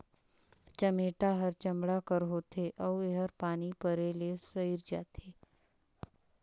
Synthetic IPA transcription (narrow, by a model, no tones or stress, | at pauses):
t͡ʃɐmeːʈaɦəɾt͡ʃɐmɽakəɾɦoːt̪ʰeʔɔːʋeɦəɾpaːnipəɾeːlesəiɾd͡ʒa̰ːt̪ʰeː